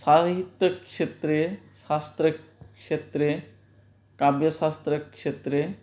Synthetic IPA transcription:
saɦit̪ːəkʂet̪ɾeʃast̪ɾəkʂet̪ɾe | kabjɐsast̪ɾəkʂet̪ɾe

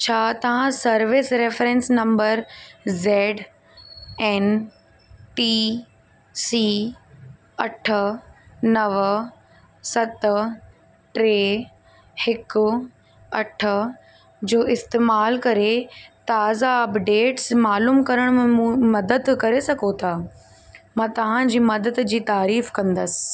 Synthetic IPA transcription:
t͡ɕʰaːt̪ɐʋ̤ãsɐɾʋɪsɾeːfɾẽnsnɐ̃mbəɾzeːɖ | ɛːn | ʈiː | siː | ɐʈʰə̆nɐʋ | sɐt̪ | ʈɾeː | hɪkʊ | ɐʈʰə̆ | d͡ʑoːʔɪst̪eːmaːlkɐɾet̪aːzaɐpɖeːʈsmaːluːmkɐɾəɽ̃mẽmũmɐd̪əd̪kɐɾesɐɡʱot̪ʰaː | mãːt̪ɐʋ̤ãd͡ʑiːmɐd̪əd̪d͡ʑiːt̪aːɾiːfkɐ̃nd̪əsɪ̥̆

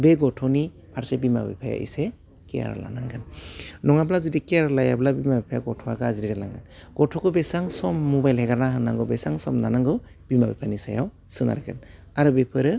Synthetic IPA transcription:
beɡɔtʰɔni | pʰaɾsebima̰bḭpʰaja̰ʔḭse | kija̰ɾa̰la̰naŋɡɯnnɔŋablazudikijaɾlajablabimabipʰajaɡɔtʰɔaɡɯaziɾizalaŋɡɯnɡ̥ɔtʰɔkʰɯbesaŋsɔmːubajlhɛɡaɾnaɦɯnːaŋɡɔbesaŋsɔmnanaŋɡɯ | b̥ima̰bipʰanisajaw | sɯŋa̰ɾɡʰɯn | aɾɯbepʰɯɾɯ

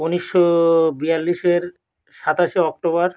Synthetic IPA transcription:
uniʃːobialːiʃeɾ | ʃat̪aʃeɔk̚ʈoβaɾ

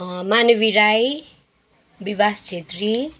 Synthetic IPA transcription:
manʌbiɾaj | bibast͡sʰet̪ri

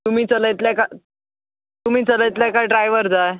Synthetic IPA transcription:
t̪um̤iːt͡sələjt̪ljaka | t̪um̤iːt͡sələjt̪ljakajɖɾajʋəɾd͡zae

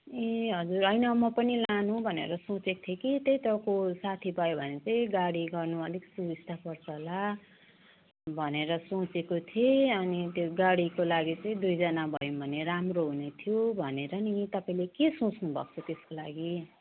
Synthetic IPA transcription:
eɦʌd͡zurʌjnʌmʌpʌnilãnũbʱʌnḛɾʌsõt͡sek̚t̪ʰjekit̪ʌjt̪ʌkosat̪ʰibʱʌjobʱʌnet͡saĩɡaɽiɡʌrnuʌd̪ʱiksubist̪apʌrt͡sʰʌla | bʱʌneɾʌsõt͡sekot̪ʰieʌnit̪joɡaɽikolaɡit͡sʌĩd̪ujd͡zʌnabʱʌjũbʱʌneɾamroɦunet̪ʰijobʱʌneɾʌnit̪ʌpaĩlekesõt͡snubʱʌ̰k̚t͡sʰʌt̪eskolaɡi

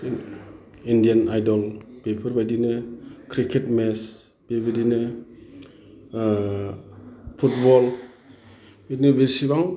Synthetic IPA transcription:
indianajdɔlbepʰɯɾbadinɯkʰɾikʰetmes | b̥ebedinɯ | pʰutbɔl | bedinəbesibaŋ

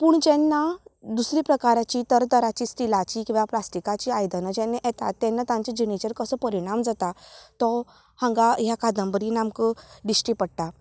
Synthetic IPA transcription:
puːɳd͡ʑɛ̃nːad̪usɾipɾəkaɾat͡ɕit̪əɾt̪əɾat͡ɕiːsʈilat͡ɕikĩʋaplasʈikat͡ɕiːajd̪ənad͡ʑɛnːeʔɛt̪a̰t̪ːɛ̃nːat̪ãɲt͡ɕed͡ʑinit͡ɕəɾkəsəpəɾiɽ̃amd͡zat̪at̪ɔ | hãŋɡajakad̪əmbəɾinamkəɖisʈipəɽt̪a

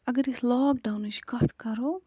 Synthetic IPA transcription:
ɐɡɐɾislɔːk̚ɖawniʃkɐt̪kɐɾo

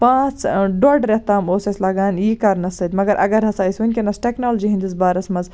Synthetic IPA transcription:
pãːt͡sɖoɖɾet̪aːmoːsɐslɐɡaːnjiːkɐɾnɐsɐt̪ʲmɐɡɐɾʔɐ̰ɡɐɾɦɐsaːisunʲkʲenɐsʈeknoːld͡ʒiɦĩnd̪isbaːɾɐsmɐz

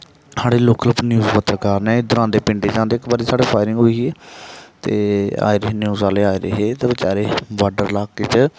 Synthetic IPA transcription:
saːɽeːloːkəlpnjuːzpət̪ɾəkaːɾnɛ̃ːd̪ʊɾãːnd̪eːpɪ̃ɳɖeːd͡ʒãːnd̪eːɪkbaːɾiːsaːɽeːpʰaːɪɾɪŋɡɦoːiːɛt̪eːa̰ːiɾəɦeːnjuːzaːleːaːiːɾəɦeːt̪eːʋɪt͡ʃaːɾeːʋaːɖəɾlaːɡkeːt͡ʃ

